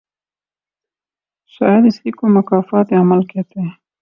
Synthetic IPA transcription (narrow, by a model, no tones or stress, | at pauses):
sɑjad̪ɪst̪ikomakɑfɑt̪amalket̪e